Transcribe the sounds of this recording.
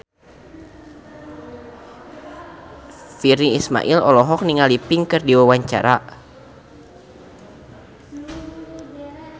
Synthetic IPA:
firiisma̰ʔilɔlɔɦɔk̚niŋalipiŋkɨrdiwawaɲt͡ʃa̰ɾa

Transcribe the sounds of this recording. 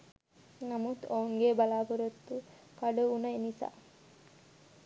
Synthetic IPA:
nɐmut̪ouŋɡebɐlaːpuɾɐt̪ːu | kɐɖuunɐenisa̰ː

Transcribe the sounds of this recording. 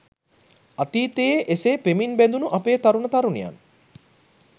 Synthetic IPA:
at̪iːt̪ejeʔeseːpeminbænd̪unuʔapeːt̪aɾunət̪aɾunija̰n

